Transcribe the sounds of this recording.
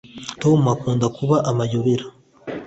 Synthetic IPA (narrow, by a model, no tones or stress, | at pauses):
toːmuakuːndakuβaʔamajuβiɾa